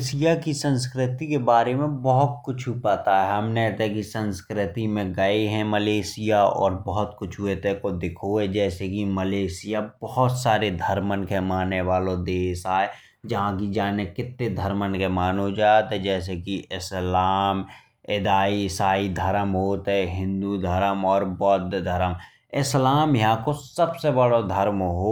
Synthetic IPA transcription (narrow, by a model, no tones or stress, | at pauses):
sijakisə̃nskɾɪt̪ikebaːɾemẽbɔɦʊt̪̚kʊt͡ʃʰupaːt̪aɦɛɛɦɐmneɛt̪ekisə̃nskɾɪt̪imẽɡəeɦɛ̃məleːsijaɔ̰ːɾbɔɦʊt̪kʊt͡ʃʰuet̪ekod̪ɪkʰoɛd͡ʒɛːsekiməleːsijabɔɦʊt̪saːɾed̪ʱəɾmənkemaːnːeʋaːlõd̪eːsaːe | d͡ʒɐɦãkid͡ʒaːnekɪt̪ːed̪ʱəɾmənkemaːnod͡ʒaːt̪ɦɛ̃d͡ʒɛːs̬ekiʔɪslaːm | ɪd̪aːisaːid̪ʱəɾəmɦoːt̪ɦɛɦɪ̃nd̪ud̪ʱəɾəmɔːɾbɔːt̪d̪ʱəɾəm | ɪslaːmjɐɦãkosɐbsebəɽod̪ʱəɾmɦoː